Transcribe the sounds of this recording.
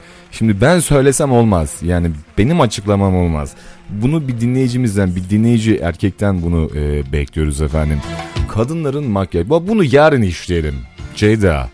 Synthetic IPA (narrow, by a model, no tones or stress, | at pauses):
ʃimd̪ibænsø̞jlʲe̞sæmo̞lˠmaz̥jaːnib̥e̞nimat͡ʃʰɯklˠamamo̞lˠma̰z̥bunubid̪inlʲe̞jid͡ʒimizd̪ænbid̪inlʲe̞jid͡ʒiʔæ̰ɾcʰɛc̚t̪ʰænbunuɯːbɛclʲijo̞ɾuzɛfænd̪imkʰad̪ɯnlˠaɾɯnmakjababunujaːɾɯniʃlʲijelʲimd͡ʒejd̪a̰